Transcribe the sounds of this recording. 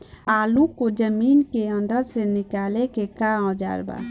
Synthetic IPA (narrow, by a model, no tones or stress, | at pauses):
aːlũkod͡ʒəmiːnkeə̃nd̪əɾsenɪkaːlekekaɔ̃d͡ʒa̰ːɾba̰